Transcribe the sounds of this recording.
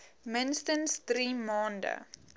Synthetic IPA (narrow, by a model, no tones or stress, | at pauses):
mənstənsd̪riːmɑːndə̰